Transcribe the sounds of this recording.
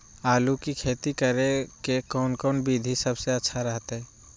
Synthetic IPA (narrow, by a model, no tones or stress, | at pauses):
aːlukikʰeːt̪ikəɾekekɔːnkɔːnbʱid̪ʱisəbseətːʃʰaɾəɦt̪ɦɛː